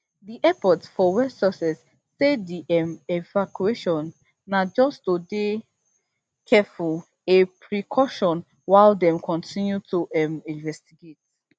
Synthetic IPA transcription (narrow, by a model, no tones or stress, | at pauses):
diʔɛpɔtsfɔwɛsɔsɛsː | ediʔɛmɛvakueʃɔ̃nː | ad͡ʒɔstode | kʰɛful | epʰɹikʰɔʃɔ̃n | waɪldɛ̃mkʰɔ̃ntʰĩnjutuɛmĩnvɛstiɡet̚